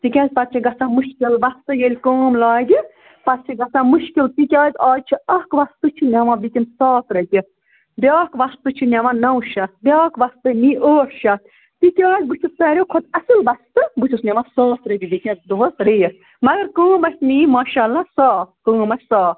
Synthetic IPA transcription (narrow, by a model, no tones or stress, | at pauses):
t̪ikʲãːzʲpɐt̪̚t͡ʃʰiɡɐsãːmuʃkilbɐst̪ɨjelʲkoːmlaːɡ̪ʲi | pɐt̪t͡ʃʰiɡɐsãmuʃkilt̪ikʲjaːt̪ʲaːt͡ʃʰiɐkʋɐst̪ɨt͡ʃʰinʲamãbikʲimsɔːt̪ɾɐt̪ʲi | bʲaːkʋɐst̪ɨt͡ʃʰinʲamãnɐwʃɐbʲaːkʋɐst̪ɨniːʔoːɾʃɐ | t̪ikʲaːt̪̚ʲbut͡ʃʰust̪ɐːɾʲjokʰot̪ɐsɨlbɐst̪ɨbut͡ʃʰusnʲɐmasɔːt̪ɾɐt̪ʲibikʲɐ̃zʲd̪oɦːsɾej | mɐɡɐɾkõːmɐsʲt̪niːmaːʃaːlasɔːkõːmɐsʲsɔː